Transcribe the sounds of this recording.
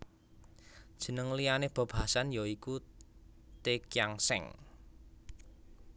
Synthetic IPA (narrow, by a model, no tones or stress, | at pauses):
d̥ʒ̥ə̤nəŋlijaneb̥ɔ̤b̥ɦasanjɔiku | t̪ekjaŋsɛ̰ŋ